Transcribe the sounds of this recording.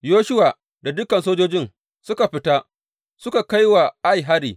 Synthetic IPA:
joː˦ʃʊ˦wa˨ | da˨dʊ˦kɐ˨nsoː˦d͡ʒoː˦d͡ʒɪ˦n | sʊ˦ka˨ɸɪ˦ta˦ | sʊ˦ka˨ka˦jwa˨ʔa˦jɦa˦ɾiː˨

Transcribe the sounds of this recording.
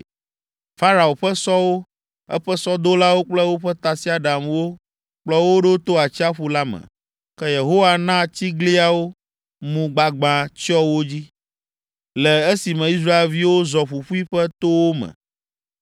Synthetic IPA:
fa˦ɾa˨o˨ɸɛ˦sɔ˦wo˦ | ɛ̰˦ɸɛ˦sɔ˦d̪o˦la˦wo˦k͡plɛ˦wo˦ɸɛ˦t̪a˨si˦a˨ɖa˨mwo˦ | k͡plɔ˦wo˦ɖo˦t̪o˦a˨t͡ɕi˦a˦ɸu˦la˦mɛ̰̃˨ | kɛ˦je˨ɦo˦wa˦nã˦t͡ɕi˦ɡli˦a˨wo˦ | mũ˨ɡ͡ba˨ɡ͡bã˨t͡ʃɔ˦wo˦d͡ʑi˦ | lɛ˨e˦si˨mɛ̃˨i˦s̬ɾa˦e˨lvi˦wo˦zɔ˨ɸu˨ɸu˦i˦ɸɛ˦t̪o˦wo˦mɛ̰̃˨

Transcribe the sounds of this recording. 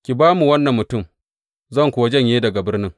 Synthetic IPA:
kʲi˨baː˦mu˨wɐ˦nːɐ˨mːʊ˨tʊ˦˨m | zɐ˦˨ŋkʷʊ˨wa˦d͡ʒɐ˦ɲjeː˦dɐ˨ɡa˨bɪ˦rnɪ˦ŋ

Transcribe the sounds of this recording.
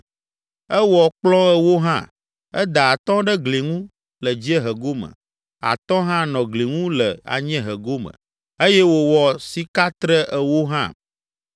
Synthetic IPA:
ɛ˦wɔ˨k͡plɔ̃˦ɛ˨wo˦ɦã̰˦˨ | ɛ˦d̪a˨a˨t̪ɔ̃˦ɖɛ˦ɡli˨ŋũ˦ | lə˨d͡ʑi˦ɛ˦ɦə˨ɡo˦mə̰̃˨ | a̰˨t̪ɔ̃˦ɦã˦nɔ̃˨ɡli˨ŋũ˦lə˨a̰˨ɲɛ̃˦ɦə˨ɡo˦mə̰̃˨ | e˦jɛ˦wo˨wɔ˨si˦ka˦t̪ɾə˦ʔɛ˨wo˦ɦã̰˦

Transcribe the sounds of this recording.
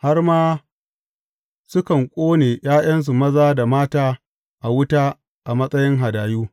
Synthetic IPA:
ha˦rmaː˦ | sʊ˦kɐ˨ŋkʷʼoː˦neː˨j̰aː˦j̰ɐ˦ns̬u˨mɐ˦zaː˦da˨maː˦taː˦ | ʔa˨wʊ˦taː˦ | ʔa˨mɐ˦sʼɐ˦jɪ˦ŋɦa˨daː˨juː˦

